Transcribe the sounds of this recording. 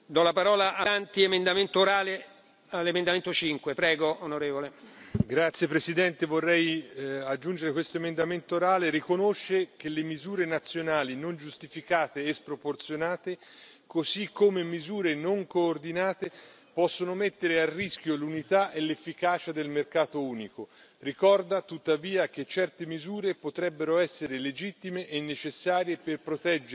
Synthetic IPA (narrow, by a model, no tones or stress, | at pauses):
d̪ɔlapaɾɔːlaʔaant̪iemend̪ament̪ooɾaːle | alːemẽnd̪ament̪ot͡ʃiŋkwepɾɛːɡoonoɾeːvoleɡɾat̪sːjepɾesid̪ɛnt̪evorːɛjad͡ʒːund͡ʒeɾekwest̪oemend̪ament̪oːɾaːleɾikonoʃːk̟elemizuːɾenat̪sːjonaːlinond͡ʒust̪ifikaːt̪eːspɾoport̪sjonaːt̪e | kosikʰːomemizuːɾenoŋkoːrd̪inaːt̪e | pɔsːonomet̪ːeɾearːisk̟jolunit̪aʔelːefːikaːt͡ʃad̪elmerkaːt̪ouːnikorikɔrd̪at̪ut̪ːaviːak̟et͡ʃːɛrt̪emizuːɾepot̪ɾɛbːeɾoɛsːeɾeled͡ʒit̪ːimeʔːnːet͡ʃesːaːɾjeperpɾot̪ɛd͡ʒ